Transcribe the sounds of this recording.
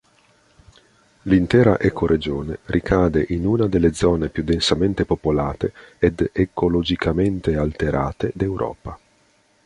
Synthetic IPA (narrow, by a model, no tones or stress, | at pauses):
lint̪ɛːɾa̰ʔɛkoɾed͡ʒoːnerʔikʰaːd̪eʔinuːnad̪elːed̪zɔːnepjud̪ːensament̪epopolaːt̪eed̪ekolod͡ʒikament̪ealt̪eɾʔa̰ːt̪ed̪ewɾʔɔ̰ːpa